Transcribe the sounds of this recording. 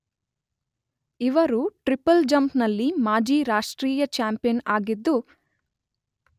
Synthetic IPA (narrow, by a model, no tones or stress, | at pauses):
iʋɐɾuʈɾipɐld͡ʒɐmpnɐlːimaːd͡ʒiːɾaːʂʈɾiːjɐt͡ʃaːmpijɐnaːɡid̪ːu